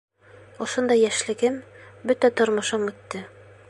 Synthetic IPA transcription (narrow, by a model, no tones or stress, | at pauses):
ŏʃond̪ɑjːæʃlɘ̆ɡɘmbɵt̪æt̪ŏɾmɤ̆ʃɤmʉt̪ːɘ